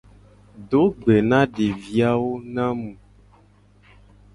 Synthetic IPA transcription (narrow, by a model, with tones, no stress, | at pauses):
ɖo˦ɡ͡be˨nã˦ɖe˨vi˦a˦wo˦nã˦mũ˨